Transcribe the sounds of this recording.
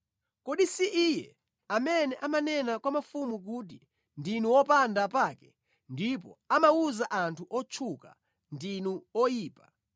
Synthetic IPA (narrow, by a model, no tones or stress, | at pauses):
kɔɗisiʔijɛ | amɛnɛʔamanɛnakwamafumuk̬ut̬i | ndinuwɔpandapaːkɛ | ndip̬ɔ̰amauzaʔantʰuʔɔt͡ʃʰuka̰ | ndinuɔjiːpḁ